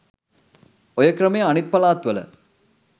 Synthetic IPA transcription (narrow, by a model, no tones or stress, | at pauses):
ojəkrəmejəanit̪̚pɐlaːt̪ʋələ̰